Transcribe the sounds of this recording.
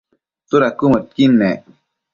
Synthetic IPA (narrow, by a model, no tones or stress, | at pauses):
t̪uɾakumət̪̚kinːe